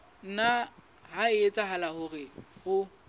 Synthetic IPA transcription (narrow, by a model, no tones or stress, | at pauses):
n̩na | haɪet͡sʼahalahʊrɪhʊ